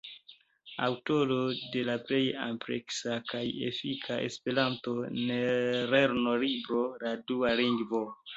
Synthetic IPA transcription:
a̰wto̞lo̞de̞laple̞ja̰mpɾḛksakajḛfikʰaʔe̞̰spe̞ɾanto̞neɾeɾno̞libɾo̞ladualiŋɡvo̞

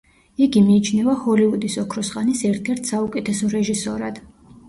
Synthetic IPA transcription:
iɡimiːt͡ʃʰnɛvahɔliud̪isɔkʰɾɔsχʼanisɛɾt̪ʰɛɾt̪ʰsaukʼɛt̪ʰɛsɔɾɛʒisɔɾad̪̥

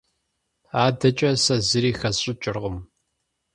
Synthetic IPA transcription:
aːdɐt͡ʃʼɐsɐzɨɾiːxɐzɕʼɪt͡ʃʼɪrʁəm

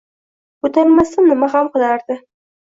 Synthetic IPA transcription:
ʊt̪aɾmasɪnnɪmaɦamqɨlaɾd̪ɪ

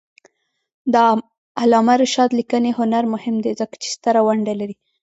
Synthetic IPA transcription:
d̪ə | alɑmaɾʃɑd̪likənehʊnaɾmʊhɪmd̪ezəkḁt͡ʃe̥st̪əɾawaɳɖalaɾi

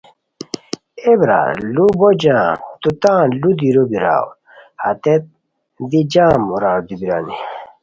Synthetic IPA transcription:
ebɾa̰ːlubod͡ʑãːt̪ut̪ãːlud̪iɾobiɾa̰ːw | hɐt̪et̪̚ | d̪id͡ʑãːmuɾaːwd̪ibiɾa̰ːni

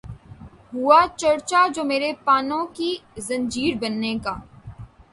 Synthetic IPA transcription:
ɦuat͡ʃɐɾt͡ʃad͡ʒoːmeːɾepaːnõkizɐ̃ɲd͡ʒiːɾbɐnːekaː

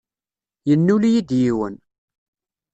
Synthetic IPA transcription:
jənːuljid̪jiwən

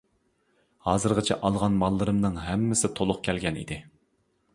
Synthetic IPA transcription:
hɑːzɨɾʁɨt͡ʃʰɛʔɑlˠʁɑnmɑlˠːɨɾɨmnɨŋɦɛmːɪsɪt̪ʰolˠʊqkʲʰɛlɡʲɛnḭd̪ɪ

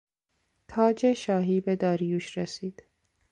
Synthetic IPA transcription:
t̪ʰɒːd͡ʒeʃɒːɦiːbed̪ɒːɾijuːʃɾesiːd̪̥

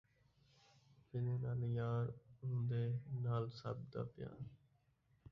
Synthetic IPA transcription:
pɪneːnaːljaːɾɦʊ̃nd̪eːnaːlsəbd̪a̰ːpja̰ːn

